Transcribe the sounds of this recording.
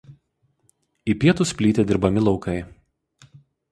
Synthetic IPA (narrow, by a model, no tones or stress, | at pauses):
iːpʲiɛt̪ʊsʲpʲlʲiːt̪ʲeːd̪ʲɪɾbɐmʲɪlˠɒʊkɐɪ